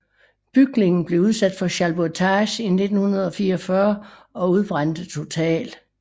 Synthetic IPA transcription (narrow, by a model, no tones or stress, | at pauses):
b̥yɡ̥ne̝ŋn̩b̥le̝uð̞ˠsæd̥fɒ̽ɕælb̥ot͡sʰɑɕine̝d̥n̩hunɐð̞ˠɒ̽fiːɐɒfɶɐɒ̽uð̞ˠb̥ʁan̰d̥ət͡sʰo̝t͡sʰɛ̰ːl